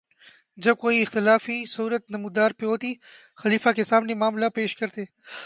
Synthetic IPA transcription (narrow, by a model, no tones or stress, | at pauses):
d͡ʒɐb̚koiɪxt̪ɪlaːfisɐuːɾət̪̚nɐmud̪aːɾpeoːt̪i | xɐliːfakesaːmnimaːmlapeːʃkɐɾt̪eː